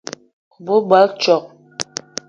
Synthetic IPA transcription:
bu˦ba˦lt͡ʃɔ˨q̚

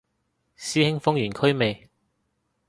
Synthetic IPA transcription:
siː˥hɪ˥ŋfʊ˥ŋjyː˨˩nkʰɵ˥ɥme˨j

